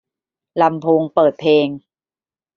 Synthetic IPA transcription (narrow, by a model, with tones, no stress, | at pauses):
la˧mpʰoː˧ŋpɤː˨˩t̪̚pʰeː˧ŋ